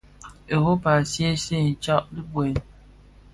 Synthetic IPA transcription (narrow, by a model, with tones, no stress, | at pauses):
e˨ho˦pa˨sje˦se˦˨n̩˨t͡ʃɔ˦ʔdi˦bwe˨